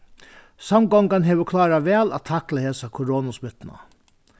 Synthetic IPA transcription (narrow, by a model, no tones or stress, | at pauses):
sɑmɡɔŋɡɑnɦeːʋəkʰlɑːɾɑʋɛːlɑ̰tt̪ʰɑkləheːsɑkʰʊɾoːnasbʏt̪nɑ̰